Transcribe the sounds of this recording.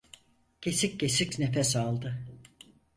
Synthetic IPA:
ɟʰe̞sic̚ɟe̞sicnefɛsalˠd̪ɯ

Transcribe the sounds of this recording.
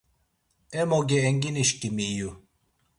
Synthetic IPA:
emoɡeːŋɡiniʃkimiju

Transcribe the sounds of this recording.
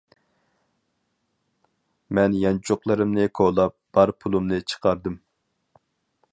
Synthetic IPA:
mɛnjɑnt͡ʃʰoqlˠɨɾɨmnɨkʰolˠɑp̚b̥ɑɾpʰulˠumnɨt͡ʃʰə̥qʰɑɾd̪ɨm

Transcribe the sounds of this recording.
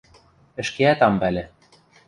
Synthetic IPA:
ɘ̆ʃkeæt̪ɑmbælʲɘ̆

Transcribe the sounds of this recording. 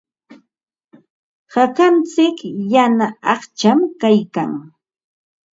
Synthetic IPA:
hakant͡sɪkjanaɑχt͡ʃamkajka̰ŋ

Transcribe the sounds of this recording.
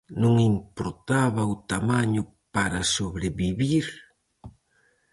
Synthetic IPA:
nũŋimpoɾt̪aβɐʊt̪amaɲʊ | paɾɐsoβɾeβiβiɾ

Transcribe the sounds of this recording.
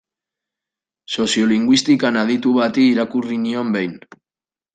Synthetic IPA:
so̞sioliŋɡwist̪ikanaðit̪uβat̪iːɾakuriniombejn

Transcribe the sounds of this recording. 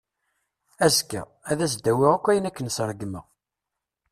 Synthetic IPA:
æzkæ̰ | æðæsd̪ːæwɪʁækʷːæjənækːənsɾˤəɡmə̰

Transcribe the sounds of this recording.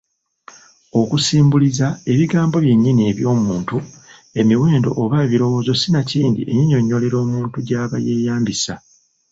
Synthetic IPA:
o̞kusiːmbulizae̞βiɡaːmbo̞βje̞ɲːinie̞βjo̞ːmuːntu | e̞miwe̞ːndo̞̰ʔoβaeβiɾo̞wo̞ːzo̞sinaciːndḭʔejiɲo̞ɲːo̞le̞ɾo̞ːmuːntuɟaːβa̰je̞ːjaːmbisa

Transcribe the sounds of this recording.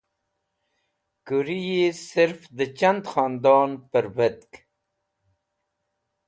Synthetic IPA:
kuɾijesɪɾfd̪ət͡ʃand̪xɑːnd̪ɑːnpəɾbət̪k

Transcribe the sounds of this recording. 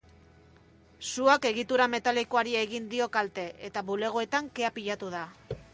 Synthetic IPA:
suake̞ɣ̞it̪uɾame̞t̪alikoaɾieɣind̪io̞kalt̪e̞ʔet̪aβule̞ɣ̞oe̞t̪aŋke̞apiʎat̪uð̞a

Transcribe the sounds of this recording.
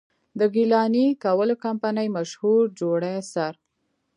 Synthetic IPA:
d̪əɡilɑnikawəlokampanəjmaʃhuɾd͡ʒoɽasaɾ

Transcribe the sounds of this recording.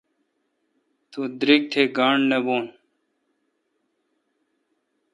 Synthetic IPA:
t̪ud̪ɾik̚ʈ̪ʰeɡaːɳneboːn

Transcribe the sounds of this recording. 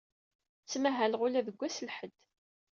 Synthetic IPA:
t͡sːmæɦælʁʊlæðəɡʷːæsəlħəd̪̥

